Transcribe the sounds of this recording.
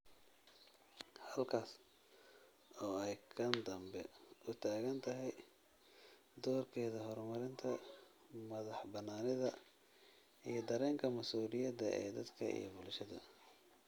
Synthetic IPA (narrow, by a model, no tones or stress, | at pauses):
hɐlkʰaːs | ɔːɛjkʰɐnd̪ɐmbɛʊt̪ʰaːɣɐnt̪ʰɐɦɛj | d̪ɔːrkʰɛːðɐɦɔrmɐɾɪnt̪ʰɐ | mɐðɑħbɐnːaːnɪðɐ | ijɞd̪ɐɾɛːŋkʰɐmɐsuːlɪjɐd̪ɐʔɛ̰ːd̪ɐd̪kʰɐḭjɞbʊlʃɐðɐ̰